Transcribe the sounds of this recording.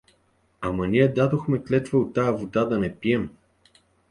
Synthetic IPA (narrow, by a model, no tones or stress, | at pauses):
amɐniɛd̪ad̪oxmɛklɛt̪vəot̪ːajɐvod̪ad̪ɐnɛpiɛm